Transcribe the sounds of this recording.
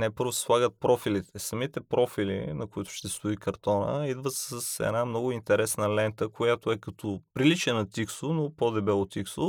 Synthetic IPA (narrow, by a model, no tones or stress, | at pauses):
nɛpɤɾvʊsɛ̥slˠaɡət̪̚pɾɔfilit̪ɛsɐmit̪ɛpɾɔfilḭnɐkʊit̪ʊ̥ʃt̪ɛst̪ʊikɐɾt̪ɔnə̰id̪vət̪səsɛ̰namnɔɡʊint̪ɛɾɛsnəlɛnt̪əkojat̪oɛkɐt̪ʰɔpɾilit͡ʃɛnɐt̪iksʊnopod̪ɛbɛlˠot̪iksʊ